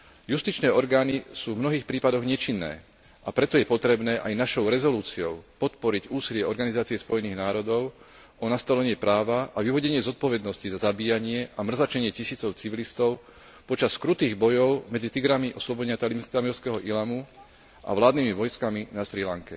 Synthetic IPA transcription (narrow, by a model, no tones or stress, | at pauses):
just̪it͡ʃnɛːɔɾɡaːnisuːvmnɔɦiːxpɾiːpad̪ɔɣɲɛt͡ʃinːɛ̰ː | ʔapɾɛt̪ɔjɛpɔt̪ɾɛbnɛːʔajnaʃɔʊɾɛzɔluːt͡siɔʊpɔt̪pɔɾiɟuːsilɪɛɔɾɡanizaːt͡siɛspɔjɛniːɣnaːɾɔd̪ɔʊ | ɔnast̪alɛɲɪɛpɾaːʋaʔaʋiʋɔɟɛɲɪɛzɔt̪̚pɔʋɛd̪nɔscizazabiːjaɲɪɛʔamr̩zat͡ʃɛɲɪɛcisiːt͡sɔʊt͡siʋilist̪ɔʊ | pɔt͡ʃaskɾut̪iːɣbɔjɔʊmɛd͡zit̪iɡɾamiʔɔslɔbɔɟɛɲat̪alimst̪amilskɛːɦɔʔilamu | ʔa̰ʋlaːd̪niːmiʋɔjskaminaʃɾilaŋkɛ